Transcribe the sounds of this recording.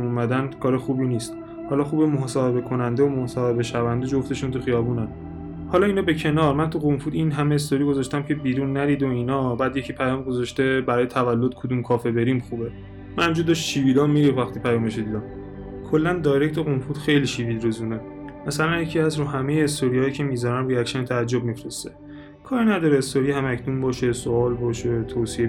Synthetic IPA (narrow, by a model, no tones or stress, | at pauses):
momæd̪ænkʰɒːɾexuːbiniːst̪ | hɒːlɒːxuːbemohsɒːhe̞be̞kʰo̞nænd̪eomohsɒhe̞be̞ʃævænd̪ed͡ʒo̞ft̪e̞ʃunt̪ʰuxijɒːbuːnæn | hɒːlɒːiːnɒːbe̞cʰe̞nɒːɾmænt̪ʰuɣomfuːd̪inɦæmeːs̬t̪oɾiːɡo̞zɒʃt̪æmcʰe̞biːɾuːnːæɾiːd̪oinɒːbæd̪jecʰipʰæjɒːmɡo̞zɒʃt̪ebæɾɒːjet̪ʰævælːo̞d̪̚kʰod̪uːmkʰɒːfe̞be̞ɾimxuːbe | mænd͡ʒud̪oʃʃiːvilɒmːiɾivæxt̪ʰiːpʰæjɒːmeʃ̬od̪iːd̪ɒm | kʰolːænd̪ɒːjɾect̪ʰuɣomfuːd̪̥xejliʃiviːd̪ɾuzune̞ | mæsælænjecʰiːæsɾuhæmejeːst̪ʰoɾihɒːjicʰe̞mizɒɾænɾiækʃænt̪ʰæːd͡ʒːob̚mifɾest̪e | kʰɒːɾinæd̪ɒːɾeːst̪oɾihæmæcʰnumbɒːʃe̞soɒːlbɒːʃet̪ʰoːsie